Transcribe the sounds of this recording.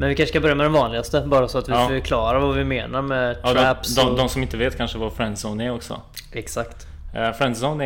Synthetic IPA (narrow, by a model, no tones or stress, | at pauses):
mɛnvɪkʰanʂəkabœɾjamɛd̪ɛnvɑːnlɪɡast̪əbɑːɾasɔat̪vɪffœɾkʰlɑːɾavavɪmeːnaɾmɛt̪ʰːɾæpsd̪ɔd̪ɔmsɔmɪnt̪əveːt̪kʰanʂəvaɾfɾɛnd̪sɔwnɛɾɔksɔ̰ | ɛksakt̪ | fɾɛnd̪sɔwnɛ